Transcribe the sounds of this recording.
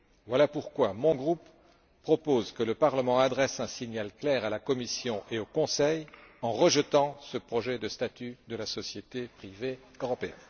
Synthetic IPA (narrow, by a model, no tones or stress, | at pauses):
vwalapuʁkwamɔ̃ɡʁupː | χɔpozkələpaʁləmɑ̃ad̪ʁɛsɛ̃siɲalklɛʁalakɔmisjɔ̃ʔeokɔ̃sɛjɑ̃ʁəʒət̪ɑ̃səpχɔʒɛd̪əst̪at̪yd̪əlasɔsjet̪epχive | øʁɔpeɛ̰n